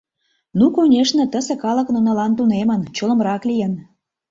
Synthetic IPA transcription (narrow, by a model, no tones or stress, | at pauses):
nukunʲeʃnĕt̪əsĕkɑlə̆knŏnɑlɑnt̪unemənt͡ɕolə̆mɾɑklijən